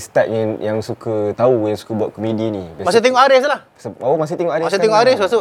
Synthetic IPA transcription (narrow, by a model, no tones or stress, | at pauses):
st̪aʔ̪̚ɲəjaŋsukət̪aujaŋsu̥kəbuaʔ̪̚komẽdinĩbmasɪt̪eŋɔʔaɾɪslah | səomas̬ɪt̪ɛŋɔʔaɾɪmaset̪eŋɔʔaɾɪslasuʔ